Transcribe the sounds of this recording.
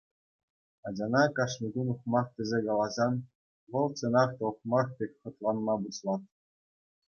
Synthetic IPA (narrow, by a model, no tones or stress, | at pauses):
ɑd͡ʑɑnɑkɑʂnʲiɡunuχmɑχt̪ʲɘ̆zʲekɑlˠɑzɑn | ʋɤ̆lˠt͡sɤ̆nɑχt̪ɤ̆χmɑχt̪ʲekʲχɤ̆t̪lˠɑnmɑbuɕlˠɑt̪̚